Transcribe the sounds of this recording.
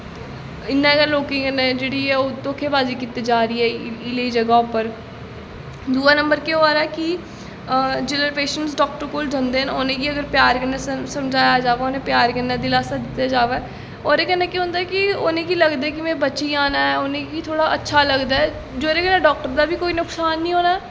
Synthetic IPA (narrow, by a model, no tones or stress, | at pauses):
ɪnːãːkəɾloːkɪ̃ɡənẽːd͡ʒeːɽiːɛːoːt̪oːkʰeːbaːziːkit̪eːd͡ʒaːɾəiːɛːɪleiːd͡ʒəɡaːopəɾ | d̪uːaːnəmbəɾkeoaːɾɛːkɪ | d͡ʒeːləɾpeːʃənsɖɔːk̚ʈəɾkoːld͡ʒə̃nd̪eːɦənoːnẽːkiəɡəɾpjaːɾkənaːsəmd͡ʒaːjad͡ʒaːʋaːoːnẽːpjaːɾkənːãːd̪iːlaːsaːd̪ɪt̪ːjaːd͡ʒaːʋɛː | ɔːɾeːkɛːnaːkiɦõnd̪aɛkɪonẽːkiləɡd̪eɛːk̬ɪmɛ̃ːbətːʃiːaːnaːɛonẽːkit̪ʰoːɽaːətːʃʰaːləɡd̪aːɛː | d͡ʒoːɾeːkɛːnaːɖɔːk̚ʈəɾd̪aːbikoːiːnʊksaːnːĩːɦoːnaɛ